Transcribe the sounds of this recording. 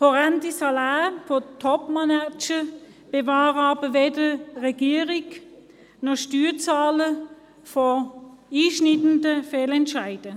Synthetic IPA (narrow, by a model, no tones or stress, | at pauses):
fɔʁɛntisɑlaːfɔtʰɔpmanat͡ʃə | b̥evaːʁɑːbəveːdəʁɛɡ̥iːʁɪk | nɔʃtyːt͡saːlə | fɔiːʃnɪtəndəfeːlɛntʃaɪd̥ə